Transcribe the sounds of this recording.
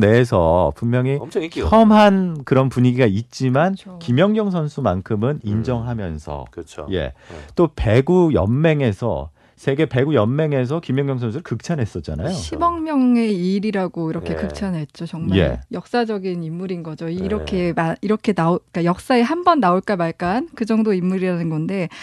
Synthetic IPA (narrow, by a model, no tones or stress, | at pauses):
ne̞sʰʌpummːjʌŋiʌmɦankɯɾʌnpuɲiɡiɡait̚t͡ɕ͈imankimjʌŋɲʌŋsʰʌnsʰuma̰nkʰɯmɯnind͡ʑʌŋɦamjʌnsʰʌ̰t͡ɕʰje̞̰t͈ope̞ɡujʌ̰mːe̞ŋe̞sʰʌ̰ | sʰe̞ɡe̞pe̞ɡujʌmːe̞ŋe̞s̬ʰʌkimjʌŋjʌŋsʰʌnsʰuɾɭkɯk̚t͡ɕʰanɦe̞s͈ʌt͡ɕ͈a̰na̰joɕʰibʌŋmjʌŋe̞iɾiɾaɡoiɾʌkʰe̞kɯk̚t͡ɕʰanɦe̞t̚t͡ɕ͈ot͡ɕʌŋmae̞̰jʌk̚s͈ad͡ʑʌɡinimːuɾinɡʌd͡ʑoiɾʌkʰe̞maiɾʌkʰe̞naok͈ajʌk̚s͈aeɦambʌnːaoɭk͈amaɭk͈ankɯd͡ʑʌŋdoimːuɾiɾanɯnɡʌnde̞